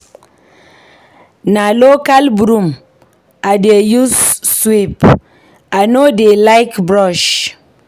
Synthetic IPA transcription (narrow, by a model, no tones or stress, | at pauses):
nalokalbuɾum | adejusːwip | anodelaɪkbɾɔʃ